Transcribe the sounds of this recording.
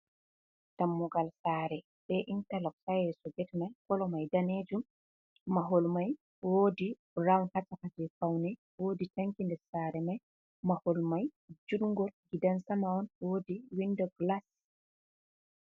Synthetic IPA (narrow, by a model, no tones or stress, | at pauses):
tamːuɡalsaːɾɛ | ɓɛʔintalɔksajɛsɔɡɛtnajkɔlɔmajdaneːd͡ʒumː | aɦolmaj | woːdi | ɾawnhatakad͡ʒɛfawnɛ | woːditaŋkindɛɾsaːɾɛmaj | maholmajd͡ʒudŋɡɔlɡidansamawɔnwodiwindɔɡlas